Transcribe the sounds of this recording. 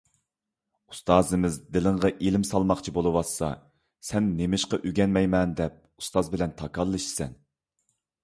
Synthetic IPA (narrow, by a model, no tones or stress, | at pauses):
u̥st̪ɑːzɨmɪzd̪ɪlɪŋʁɑʔelɪmsɑlˠmɑχt͡ʃʰibolˠɨwɑsːɑ̰ | sɛnːemɪʃqɑʔyɡʲɛnmɛjmɛnd̪ɛp̚u̥st̪ɑzbɪlɛnt̪ʰɑkʰɑlˠːɨʃi̥sɛ̰n